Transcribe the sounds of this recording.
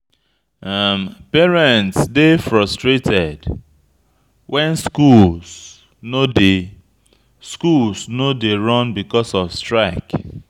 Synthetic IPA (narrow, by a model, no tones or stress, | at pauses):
ampɛɹɛ̃ntsdefɹɔstɹetɛd | wʔɛ̃nskuls | node | skulsnodeɹɔ̃nbikɔsɔfstɹaɪk